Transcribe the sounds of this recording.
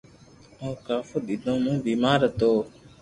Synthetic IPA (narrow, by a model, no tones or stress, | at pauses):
õːkaːfoːɗ̪id̪õːmũːbiːmaːɾət̪oː